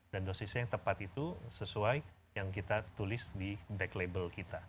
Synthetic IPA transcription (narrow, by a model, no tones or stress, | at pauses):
dandosisiaŋt̪əpat̪it̪usəsuaj | jaŋkit̪at̪ulɪsdibɛklebəlkit̪a